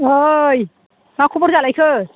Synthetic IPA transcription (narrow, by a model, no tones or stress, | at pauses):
ɦoj | makʰubɔɾzalajkʰɯ